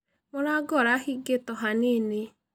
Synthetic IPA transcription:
moɾaɡɔɾahiɡetɔɦanene

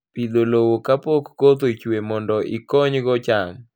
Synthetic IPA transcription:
pid̪olowokapokːot̪̬oit͡ʃwemɔndɔʔikɔɲɡɔt͡ʃaŋ

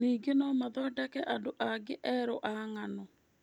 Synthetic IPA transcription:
iːɡenɔmaðɔdakɛʔandoʔaɡeʔɛɾoʔaŋanɔ

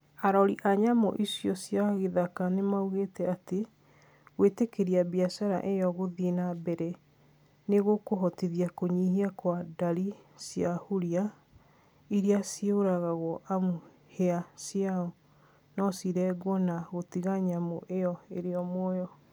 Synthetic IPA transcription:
aɾɔɾiʔaɲamo̰ʔisjɔsjaɣeðakanemauɣetɛate | ɣwetekeɾiabiasaɾa̰ʔejɔɣoðenabɛɾɛ | neɣokoɦɔtiðiakoɲiɦiakwadaɾisjahuɾia | iɾiasjeoɾaɣaɣɔʔamu | heasjaɔ | nɔsiɾɛɡwɔnaɣotiɣaɲamoʔeɔeɾeɔmɔjɔ

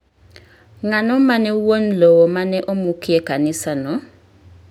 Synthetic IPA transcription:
ŋanɔmanɛwon̩lowɔmanɛʔomukiekanɪsanɔ

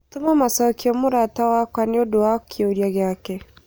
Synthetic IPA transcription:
tumamasakiomuɾatawakʷanioduwakʰioɾjaɡake

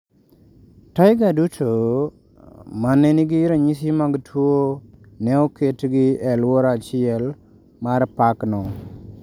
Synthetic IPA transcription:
tajɡadutʰo | manːeniɡiɾaɲis̬imaɡtʰwo | nɛɔketɡiɛlwoɾat͡ʃɪel | maɾpaknɔ

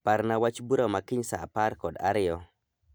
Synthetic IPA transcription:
paɾnawat͡ʃbuɾomakiɲsa̰a̰paɾkɔda̰ɾɪjɔ

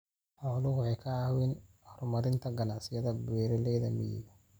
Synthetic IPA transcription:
ħɔːlʊɣʊɛjkʰɐwɛn | hɔrmɐɾɪnt̪ʰɐɡɐnaʕsɪjɐðɐbɛːɾɛlɛːðɐmɪjḭɡɐ

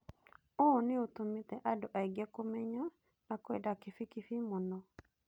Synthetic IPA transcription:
oneotometɛʔadoʔaeɡɛkomɛɲɔ | nakoḛdakɪfikifimɔnɔ

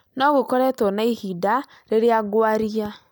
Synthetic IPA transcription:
nɔɣokɔɾɛtɔnaihida | ɾeɾjaɡwaɾia

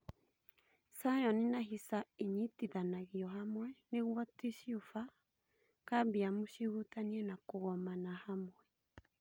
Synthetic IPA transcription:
sajɔnenaɦisaeɲitiðanaɣiɔɦamwɛneɣwɔteʃiofa | kabiamoʃiɣutaniɛnakoɣɔmanahamwɛ

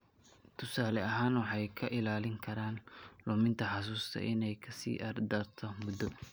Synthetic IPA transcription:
t̪ʰʊsaːlɛɐɦaːnwɑħɑjkʰɐʔɪlaːlɪŋkʰɐɾaːnlʊmɪnt̪ʰɐħɑs̬uːst̪ʰɐ̰ʔɪnɛjkʰɐsḭːʔɐrd̪ɐrt̪ʰɔmʊd̪ːɔ

